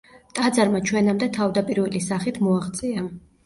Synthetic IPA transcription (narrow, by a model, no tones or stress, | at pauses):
t̪ʼad̪zaɾmat͡ʃʰwɛnamd̪ɛt̪ʰavd̪apʼiɾvɛlisaχit̪ʰmɔaʁt̪sʼia